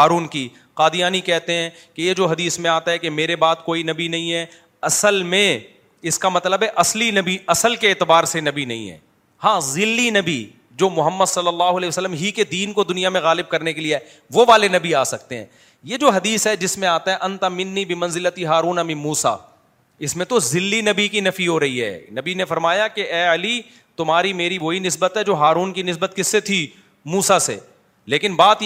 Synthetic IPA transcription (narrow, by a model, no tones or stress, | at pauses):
ɦaːɾuːnki | qaːd̪ɪjaːnikɛɦt̪eɦɛ̃ːkejed͡ʒoːɦɐd̪iːsmẽaːt̪aɦɛkemeːɾebaːt̪koːinɐbinɐɦĩɦɛ | ɐsəlmẽ | ɪskamɐt̪ləbɦɛʔɐslinɐbiɐsəlkeːt̪ɪbaːɾsenɐbinɐ̰ɦḭ̃ɦɛ̰ː | hãːzɪlːinɐbi | d͡ʒoːmʊɦəmːəd̪sɐlːəlːaːɦʊɐlɛːʋɐsəlːəmɦiked̪iːnkod̪ʊnijamẽɣaːlɪb̚kɐɾnekelieɛ | ʋoʋaːlenɐbiaːsɐk̚t̪eɦɛ̰̃ː | jed͡ʒoːɦɐd̪iːsɦɛd͡ʒɪsmẽaːt̪aɦɛ̃ʔɐ̃nt̪amɪnːibɪmɐ̃nzɪlət̪iɦaːɾuːnɐmĩmuːsa̰ | ɪsmẽt̪ozɪlːinɐbikinɐfiɦoɾɐɦiɦɛ̰ːnɐbinefɐɾmaːjakeʔɛːɐli | t̪ʊmɦaːɾimeːɾiʋoːinɪsbət̪ɦɛd͡ʒoːɦaːɾuːnkinɪs̬bət̪kɪsːet̪ʰi | muːsasḛ | leːkɪnbaːt̪